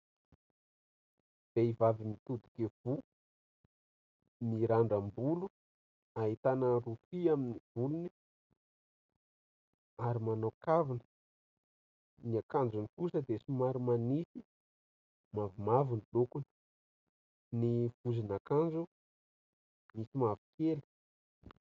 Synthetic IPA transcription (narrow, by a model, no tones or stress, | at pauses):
b̪̥eivavimit̪ud̪u̥kev̥u | miɾaɳɖ͡ʐambulu | aɦit̪anərufiaminiv̥uluni̥ | aɾimanawkavinə | niakand͡ʒunikusəd̪esimaɾimanisi | mavumavunlokun | nivuzinakand͡ʒu | misimavi̥keli̥